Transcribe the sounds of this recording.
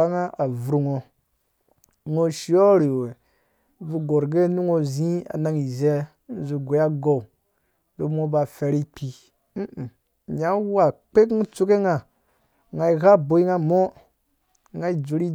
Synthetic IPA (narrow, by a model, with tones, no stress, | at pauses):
a˦ŋa˦a˨vu˨ɾu˨ŋo˨ | ŋo˦ʃi˦o˦ɾi˨we˨˦ | vu˧ɡo˨ɾɡe˦nu˦ŋo˧zĩ˦a̰˨na˦ŋi˨ze˦ | n̩˦zu˨ɡo˨˦a˦ɡo˨u˨ | do˦mo˦ba˨fe˨ɾi˦k͡pʰi˦ | m̩˦˨ | ɲa˦wa˨k͡pe˦kŋ˦t͡su˦ke˦ŋa˨ | ŋa˨i˨ɣa˦bo˨i˦ŋa˦mo˦ | ŋa˦i˦d͡ʒu˨ɾi˦